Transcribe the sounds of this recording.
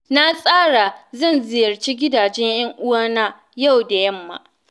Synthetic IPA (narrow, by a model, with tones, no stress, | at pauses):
na˦sʼaː˦ɽa˨zɐ˦˨nzɪ˨jɐ˨rt͡ʃiː˦ɡʲɪ˦daː˨d͡ʒɛ˦ɲjɐ˦ŋʔʊ˦waː˦na˦ | ja˦˨wda˨jɐ˦mːa̰˨